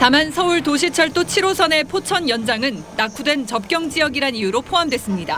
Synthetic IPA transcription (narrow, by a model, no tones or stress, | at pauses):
tamansʰʌuɭtoɕ̬ʰit͡ɕʰʌɭt͈ot͡ɕʰiɾosʰʌne̞pʰot͡ɕʰʌnjʌnd͡ʑaŋɯnːakʰudwe̞nt͡ɕʌp̚k͈jʌŋd͡ʑijʌɡiɾanijuɾopʰoɦamdwe̞s͈ɯmɲida